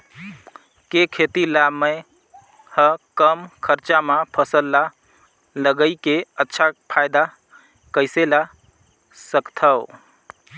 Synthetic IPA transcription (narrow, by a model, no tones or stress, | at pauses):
kekʰet̪ilaməj | həkəmkʰəɾt͡ʃamãpʰəsəlːa | ləɡəjkeətːʃʰapʰajd̪a | kəɪsela | səkt̪ʰəw